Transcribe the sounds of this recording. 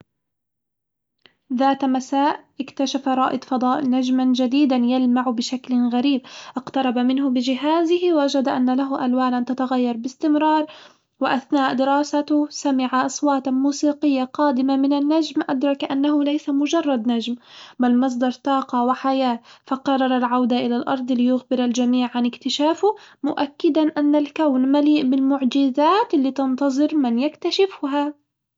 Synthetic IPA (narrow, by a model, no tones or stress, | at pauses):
ðaːt̪masaːʔʔɪkt̪aʃafaɾˤɑːʔɪd̪ˤfɑd̪ˤɑːʔɪnad͡ʒmand͡ʒad̪iːd̪anjalmaʕbɪʃaklɣaɾiːb̚ʔɪqt̪ɑɾˤɑbamɪnɦʊbɪd͡ʒɪɦaːzɪhɪwʔad͡ʒad̪aʔanːalaɦʊʔalwaːnʔant̪at̪aɣajːɑɾˤbɪst̪ɪmɾˤɑːɾˤ | wɪʔaθnaːʔd̪ɪɾɑːsat̪samɪʕaʔɑsˤwɑːt̪muːsiːqɪjːaqɑːd̪ɪmamɪnanːad͡ʒmʔad̪ɾˤɑkʔanːaɦʊlajsamʊd͡ʒɑrˤːɑd̪nad͡ʒmbalmɑs̬ˤd̪ˤɑɾˤt̪ɑːqɑwɪħajaːfɑqɑrˤːɑɾˤɑlʕawd̪aʔɪlalʔɑ̰ɾˤd̪ˤlɪjʊɣbɪɾald͡ʒamiːʕʕanɪkt̪ɪʃaːfʊmʊʔakːɪd̪anʔanːalkawnmaliːʔbɪlmʊʕd͡ʒɪzaːt̪ɪlːiːt̪ɑnt̪ɑzˤɨɾmɪnjakt̪aʃɪfɦa